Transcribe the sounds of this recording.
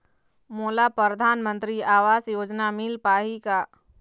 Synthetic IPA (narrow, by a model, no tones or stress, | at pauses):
molapɾəɾəd̪ʱaːnmənt̪ɾiaːʋasjoːd͡ʒnamilpaːɦika